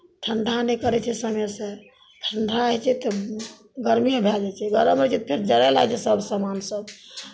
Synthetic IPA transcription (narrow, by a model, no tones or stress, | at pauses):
ʈʰəɳɖʱanekəɾɛt͡ʃʰɛsəmɛse | ʈʰəɳɖʱɾaət͡ʃʰɛt̪ɔ | ɡəɾmijãbʱɛd͡ʒɛt͡ʃʰɛɡəɾəmət͡ʃʰɛt̪pʰeɾd͡ʒəɾala̰t͡ʃʰɛsəbsamansəb